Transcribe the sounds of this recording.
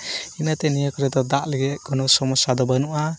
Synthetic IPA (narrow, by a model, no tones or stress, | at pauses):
inat̪enijɔkʰɔɾɛd̪ɔd̪aʔleɡeʔɡ̥ɔnɔsɔmɔsad̪ɔbanuʔa